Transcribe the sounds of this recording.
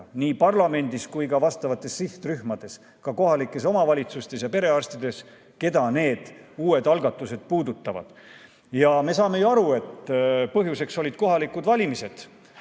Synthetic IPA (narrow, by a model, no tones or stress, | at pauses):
niːpɑrlɑme̞nd̪̥iskujkɑvɑst̪ɑvɑt̪ːˑe̞ssiht̪ryhmɑd̪̥e̞s | kɑko̞ɦɑlikːˑe̞s̬o̞mɑvɑlʲit̪sust̪e̞sjɑpe̞ɾe̞ɑrst̪id̪e̞s | ke̞d̪ɑne̞ːd̪̥uːe̞d̪̥ɑlɡ̥ɑt̪ːˑuse̞d̪̥̚puːd̪ut̪ːˑɑvɑ̰d̪̥ | jɑme̞sɑːme̞juɑɾue̞t̪ːpɤɦjuse̞kso̞lid̪̥̚ko̞ɦɑlikːˑud̪̥vɑlʲimise̞d̪̥